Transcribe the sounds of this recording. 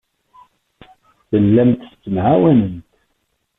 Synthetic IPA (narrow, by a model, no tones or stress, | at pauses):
θəlːæmt̪st͡sːəmʕawænənt̪